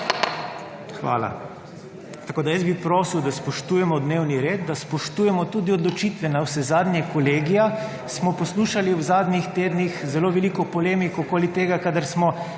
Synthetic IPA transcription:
xʋa̰ːla̰ | t̪akoːd̪ajəsbipɾoːsiwd̪aspɔʃt̪uːjɛmɔd̪neːwniɾeːd̪d̪aspɔʃt̪uːjɛmɔt̪uːd̪iɔd̪lɔt͡ʃiːt̪ʋɛnawsɛzaːd̪nʲjɛkɔleːɡija | smɔpɔsluːʃaliwzaːd̪nʲixt̪eːd̪nixzɛloːʋɛlikɔpɔleːmikɔkoːlit̪eːɡakad̪aɾsmɔ

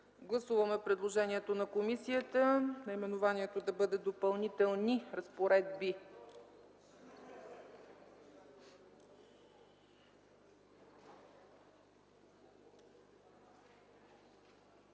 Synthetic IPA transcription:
ɡlˠɐsuvəmɛpɾɛd̪lˠoʒɛniɛt̪onɐkomisiət̪ənɐimɛnovaniɛt̪od̪ɐbɤd̪ɛd̪opɐlˠnit̪ɛlˠniɾɐspoɾɛd̪̚bi

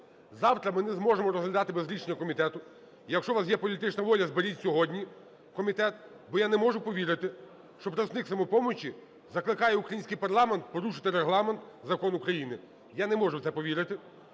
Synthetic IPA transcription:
zɑwt̪ɾɐmɪnɛzmɔʒemɔɾɔzɦlʲɐd̪ɑt̪ɪbezɾʲiʃenʲːɐkɔmʲit̪ɛt̪ʊ | jɐkʃt͡ʃɔʋɑsjɛpɔlʲit̪ɪt͡ʃnɐʋɔlʲɐzbeɾʲitʲsʲɔɦɔdʲnʲi | kɔmʲit̪ɛt̪̚ | bɔjanɛmɔʒʊpɔʋʲiɾɪt̪ɪ | ʃt͡ʃɔpɾɐsnɪksɐmɔpɔmɔt͡ʃʲi | zɐklˠɪkɑjɛukɾɐjinʲsʲkɪjpɐrlˠɑment̪̚pɔɾuʃɪ̥t̪ɪɾeɦlˠɑment̪zɐkɔnukɾɐjinɪ | janɛmɔʒʊwt̪sɛpɔʋʲiɾɪt̪ɪ

